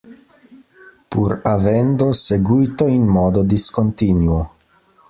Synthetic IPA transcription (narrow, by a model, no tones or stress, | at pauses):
puɾavend̪oseɡujt̪oinmod̪od̪iskont̪inuo